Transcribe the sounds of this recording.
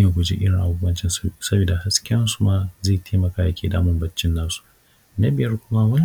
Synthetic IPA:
ja˨kʷu˨d͡ʒḭː˦ʔɪ˦ɽɪ˨ŋʔa̰˨ɡoː˦bɐ˦nt͡ʃɪ˦nsɐ˦biː˨da˨ha˦skʲɪ˦ɐ˦nsu̥˦maː˨zeː˦˨tʰeː˦mɐ˨kaː˦jɐ˨kʲeː˨da̰ː˦mʊ˦mbɐ˦t͡ʃːɪ˦nːaː˦su̥˨ | nɐ˦bɪ˨jɐ˦rkʷʊ˦ma˦wɐ˦n

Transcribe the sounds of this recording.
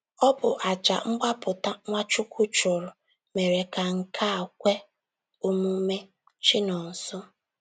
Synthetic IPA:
ɔ˦bʊ˨ʔa˨d͡ʒa̰˨ŋ͡m̩˦ɡ͡ba˦pʊ˨ta˦ŋʷa˦t͡ʃʊ˦kʷʊ˦t͡ʃʊ˨ɾʊ˨ | me˨ɾe˨ka˨ŋ̩˨kʰa˦˨kʷe˦ | o˦mu˦me˦ | t͡ʃɪ˦nɔ˨n̩˨sʊ˦

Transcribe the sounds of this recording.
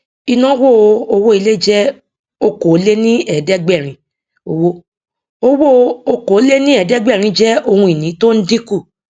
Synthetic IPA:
i˧nã˦wo˦˨o˧o˧wo˦i˧le˦d͡ʒɛ˦ | o˧ko˨˦le˦nĩ˦ɛ˨dɛ˦ɡ͡bɛ˦˨ɾ̃ĩ˧˦ | o˧wo˦ | o˦wo˦˧o˧ko˨˦le˦nĩ˦ɛ˨dɛ˦ɡ͡bɛ˦˨ɾ̃ĩ˧˦d͡ʒɛ˦o˧hũ˧i˨nĩ˨˦to˦n̩˦dĩ˦ku˦˨

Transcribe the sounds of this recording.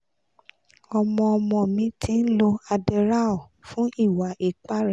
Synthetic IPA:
ɔ˧mɔ̃˧ɔ˧mɔ̃˧mĩ˦tʰi˧n̩˦lo˧a˧dɛ˧ɾa˦ɔ˦˨ | fũ˦i˦˨wa˨˦ʔe˨k͡pa˦ɾɛ˦˨

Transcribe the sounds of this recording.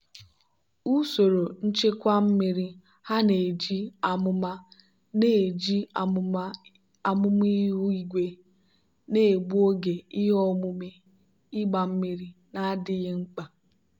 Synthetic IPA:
u˦so˨ɾo˨n̩˦t͡ʃe˦kʷa˦m̩˦mi˦ɾi˦ | ha˦ne˨d͡ʒi˦a˨mʊ˦ma˦ | ne˦˨d͡ʒi˦ | a˨mʊ˦m˦i˦ɦu˦i˦ɡʷe˦ | ne˦e˨ɡ͡bu˦o˦ɡe˨ɪ˦ɦɔ˦mʊ˦me˦ | ɪ˦ɡ͡ba˨m̩˦mi˦ɾi˦na˦a˦dɪ˦ɣɪ˦ŋ͡m̩˦k͡pa˨

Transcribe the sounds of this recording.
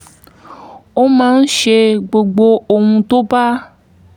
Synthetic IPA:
wo˦mã˦ŋ̩˦ʃe˨ɡ͡bo˨ɡ͡bo˨o˨ŋũ˨t̪o˦ba˦

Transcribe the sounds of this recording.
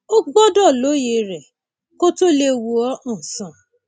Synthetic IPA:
o˦ɡ͡bɔ˦dɔ˦˨lo˨˦je˧ɾɛ˨ | ko˦to˦le˦wu˧ɔ˦ũ˦˨sɔ̃˨

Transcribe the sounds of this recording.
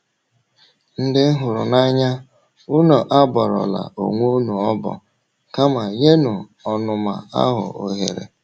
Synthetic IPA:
n̩˦dɪ˦n̩˦ɦʊ˨ɾʊ̰˨na˦ɲa˦ | u˦no˨ʔa˦bɔ˨ɾɔ̰˨la̰˨o̰˨ŋʷo˦nu˨ɔ˦bɔ̰˨ | ka˦ma˨je˦nu˨ | ɔ˨nʊ˨ma̰˨a̰˦ɦʊ̰˨o̰˨ɦḛ˨ɾḛ˨

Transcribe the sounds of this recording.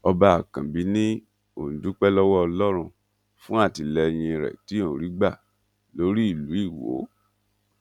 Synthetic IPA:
ɔ˧ba˧a˨kã˨bi˨˦nĩ˦ | o̰˨n̩˨du˨˦k͡pɛ˦lɔ˦wɔ˦ɔ˧lɔ˦ɾ̃ũ˧ | fũ˦a˦˨ti˨lɛ˧j̃ĩ˧˨ɾɛ̰˨ti˨˦õ˦˨ɾi˨˦ɡ͡ba˦˨ | lo˦ɾi˦i˦˨lu˨˦i˦˨wo̰˨˦

